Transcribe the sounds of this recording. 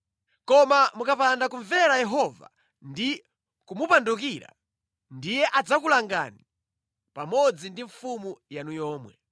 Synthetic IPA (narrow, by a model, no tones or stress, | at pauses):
kɔmamukapandakuɱvɛɾajɛɦɔva̰ | ndi | kumupanduk̬iɾa̰ | ndijɛʔad͡zakulaŋɡa̰ni | pamɔd͡zindiɱfumujanujɔːmwɛ̰